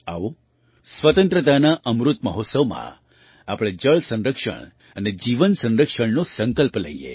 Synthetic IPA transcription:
a̰ʋo | sʋət̪ənt̪ɾət̪anaʔəmɾut̪məɦot̪səʋmã̰ | apɭ̃ed͡ʒəɭsə̃nɾəkʂə̰ɳ | əned͡ʒiʋənsə̃nɾəkʂəɳnosə̃ŋkəlplə̰iḛ

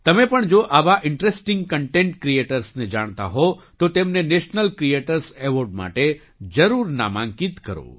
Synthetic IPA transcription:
t̪əmepəɳd͡ʒoʔaʋaʔɪɳʈɾesʈɪ̃ŋɡ̚kəɳʈẽɳʈkɾieʈəɾsned͡ʒaɽ̃t̪a̰ɦot̪ot̪emneneʃnəlkɾieʈəɾseʋoɾɖma̰ʈe | d͡ʒəɾuɾna̰mãŋkit̪kəɾo̰

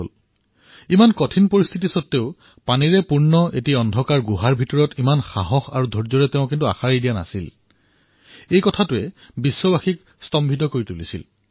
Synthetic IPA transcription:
l | imankɔtʰinpoɹist̪ʰit̬isɔtːeʊ | paniɹɛpuɹnɔʔḛtiɔndʱɔkaɹɡuɦaɹbʱitɔɹɔtimanxa̰ɦɔxa̰ɹudʱɔɹzɔɹɛteʊ̃kintua̰xaɹidijana̰sil | ejkɔtʰatʊɛ | bisːɔbaxik | stɔmbʱitɔkoɹitulisḭl

